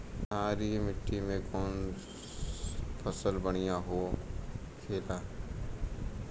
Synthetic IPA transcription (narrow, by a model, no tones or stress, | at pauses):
aːɾimɪʈːimẽkɔːn | pʰəsəlbəɽ̃ijãɦoː | kʰeːlaː